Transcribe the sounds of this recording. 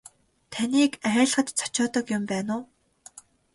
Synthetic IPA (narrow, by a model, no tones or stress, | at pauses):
t̪ʰaniːkæːɮχə̆t̪t͡sʰɔ̥t͡ɕɔːt̪ɞ̆kjʊmpæːnʊː